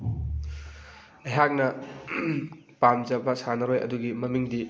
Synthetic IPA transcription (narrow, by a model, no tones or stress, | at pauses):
ɐjɦak̚nɐ | pamzɐbɐsanɐɾojʔɐ̰duɡimɐmiŋdi